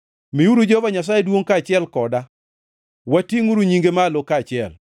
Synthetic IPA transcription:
miuɾud͡ʒopaɲas̬ajedwoŋkat͡ʃɪɛlkɔda | watiŋuɾuɲiŋɡemalokːat͡ʃɪɛ̰l

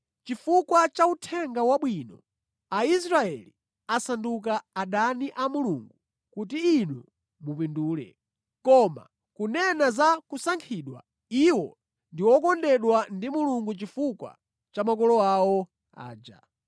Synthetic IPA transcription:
t͡ʃifukwat͡ʃautʰɛŋɡawaɓwinɔ̰ | ais̬ɾaɛ̰li | asanduk̬aːɗaniʔamuluːŋɡu | kutiinu | mupinduːlɛ̰ | kɔma̰ | kunɛnazakusaŋkʰiːɗwa̰ | iwɔ | ndiwɔkɔndɛɗwandimuluŋɡut͡ʃifukwa̰ | t͡ʃamak̬ɔlɔawɔ | a̰ːd͡ʒa̰

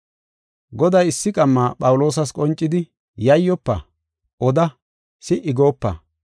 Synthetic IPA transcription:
ɡɔd̪ɐjɪsːɪkʼɐmːaːpʼɐwlo̞ːs̬ɐskʼɔnt͡ʃʼːɪd̪ɪ | jɐjːɔpːɐ̰ | ɔd̪ɐ | sɪʔɪɡo̞ːpːɐ̰

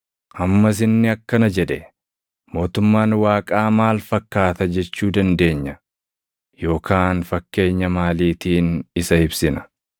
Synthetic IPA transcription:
ʔɐmːɐs̬ɪnːɪɐkːɐnɐd͡ʒɛᶑ̪ɛ | mo̞ːt̪ʊmːaːnwaːkʼaːmaːlfɐkːaːt̪ɐd͡ʒɛt͡ʃːuːd̪ɐnd̪e̞ːɲːɐ | jo̞ːkʰaːnfɐkːe̞ːɲːɐmaːliːt̪iːnɪsɐɪbsɪnɐ̥

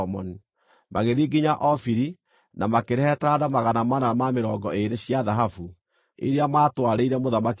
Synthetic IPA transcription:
mɔni | mʔaɣeðiːɡiɲaʔɔfiɾi | namakeɾɛtadamaɣanamanaamameɾɔːɡɔeɾeɕiaðaɦafu | ḛɾeamaːtwaɾeiɾɛmoðamak

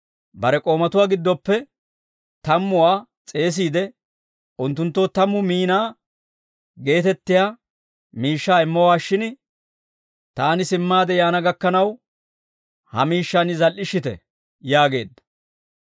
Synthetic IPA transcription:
bɐɾɛkʼo̞ːmɐt̪ʊwaːɡɪd̪ːɔpːɛ | t̪ɐmːʊwaː | t͡sʼe̞ːs̬iːd̪ɛ | ʔʊnt̪ːʊnt̪ːoːt̪ɐmːʊmiːnaː | ɡe̞ːt̪ɛt̪ːɪjaː | miːʃːaːɪmːɔwaːʃːɪn | t̪aːnɪsɪmːaːd̪ɛjaːnɐɡɐkːɐnɐw | hɐ̰miːʃːanɪzɐlːɪʃːɪt̪ɛ̰ | jaːɡe̞̰ːd̪ːɐ̥

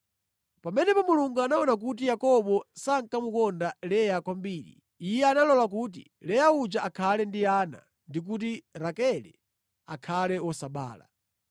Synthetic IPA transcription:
pamɛnɛpɔmuluŋɡuanaɔnak̬ut̬ijakɔɓɔsaŋkamukɔndalɛjakwambiːɾḭ | ijɛanalɔlak̬uːt̬ḭ | lɛjaut͡ʃaʔakʰalɛndiana̰ | ndik̬ut̬iɾakɛlɛ | akʰalɛwɔsaɓa̰ːla̰

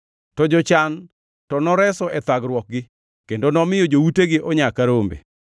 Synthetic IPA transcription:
tɔd͡ʒɔt͡ʃan | tɔnɔɾɛsɔʔɛt̪aɡɾwɔk̚ɡɪ | kendonɔmɪjɔd͡ʒowuteɡɪʔɔɲakaɾombḛ

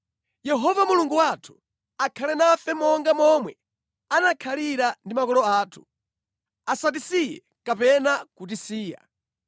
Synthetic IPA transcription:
jɛɦɔvamuluŋɡuwatʰu̥ | akʰalɛnafɛmɔŋɡamɔmwɛ | anakʰaliɾandimakɔlɔaːtʰu̥ | asat̬isijɛ | kapɛnakut̬isiːja̰

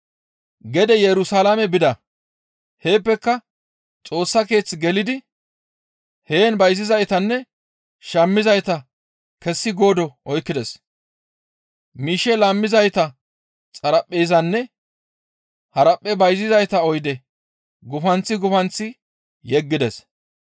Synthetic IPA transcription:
ɡɛd̪ɛjɛɾʊsalamɛbɪd̪ɐ | he̞ːpːɛkːɐ | t͡sʼo̞ːsːɐke̞ːt͡sːɪɡɛlɪd̪ɪ | he̞ːnbɐjzɪzɐjt̪ɐnːɛ | ʃɐmːɪzɐjt̪ɐ | kɛsːɪɡo̞ːd̪ɔʔɔjkːɪd̪ɛs | miːʃɛlɐmːɪzɐjt̪ɐ | t͡sʼɐɾɐpʼːeːzɐnːɛ | hɐɾɐpʼːɛbɐjzɪzɐjt̪ɐɔjd̪ɛ | ɡʊfɐnt͡sːɪɡʊfɐnt͡sːɪ | jɛɡːɪd̪ɛs

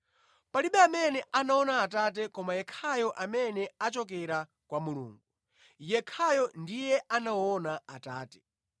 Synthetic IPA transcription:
paliɓɛamɛnɛʔanaɔnaːtat̬ɛkɔmajɛkʰajɔʔamɛnɛat͡ʃɔk̬ɛɾa | kwamulṵːŋɡu | jɛkʰajɔndijɛʔanaɔnaataːtɛ̥

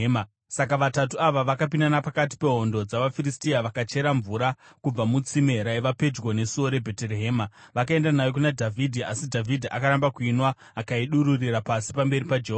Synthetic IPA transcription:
sakaʋatatuaʋaʋakapinanapakat̬i̥pe̞ɦo̞ndo̞d͡zaʋafiristiaʋakat͡ʃe̞ɾaɱvuɾakub͡vamut͡sime̞ɾaiʋape̞d͡ʒwone̞suo̞ɾe̞bʱe̞teɾeɦeːmaʋakae̞ndanajokunadʱavʱidʱiasidʱavidʱiʔakaɾambakuinwaː | kaiɗuɾurirapasi̥pambe̞ɾipad͡ʒeɦo

